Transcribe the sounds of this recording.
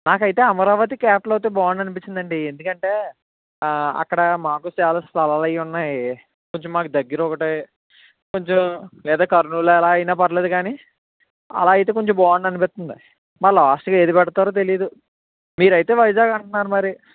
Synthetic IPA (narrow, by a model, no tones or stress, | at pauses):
naːkɐjit̪e̞ːɐmɐɾaːʋɐt̪̬ikaːp̚ʈlɐwt̪oːbaːɳɖɐnipit͡ʃːind̪ɐɳɖiend̪ukɐɳʈe̞ː | ɐ̰kːɐɽɐmaːkut͡ʃaːlaːst̪ʰɐlaːlɐjunːaːji | koɲt͡ʃomːaːkud̪ɐɡːiɾɔkɐʈɐj | ko̞ɲt͡ʃomlɛːd̪aːkɐɾnuloːɛlaːɐjnaːpɐɾɐleːd̪ukaːni | ɐ̰laːjit̪e̞ːko̞ɲt͡ʃombaːɳɖɐnipɛst̪und̪i | mɐːlaːsʈɡaːeːd̪ipɛɽɐt̪aːɾoːt̪̬e̞lijɐd̪u | miːɾɐjt̪e̞ːʋɐjd͡ʒaːɡɐɳʈunːaːɾumɐɾi